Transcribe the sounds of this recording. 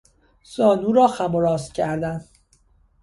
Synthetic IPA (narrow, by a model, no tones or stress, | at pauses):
sɒːnuːɾɒːxæmoɾɒːscʰæɾd̪æn